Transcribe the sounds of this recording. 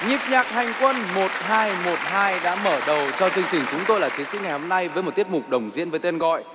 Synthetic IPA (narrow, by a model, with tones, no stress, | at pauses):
ɲi˨˩p̚ɲaː˨˩k̚ha˨˩jŋ̟kwə˧nmo˨˩t̚haː˧jmo˨˩t̚haː˧jɗa̰ː˧˥məː˧˩ɗə˨˩wt͡ɕɔ˧t͡ɕɨ˧ŋt͡ɕï˨˩ŋ̟t͡ɕʊ˨˦ŋ͡mt̪o˧jlaː˨˩t̪ʰi˨˦sḭ˧˥ŋ˨˩jho˧mna˧jvəː˨˦jmo˨˩t̚t̪i˦˥ət̚mʊ˨˩k͡p̚ɗə˨˩wŋ͡mzḭ˧˥ənvəː˨˦jt̪e˧nɣɔ̰˧˨jʔ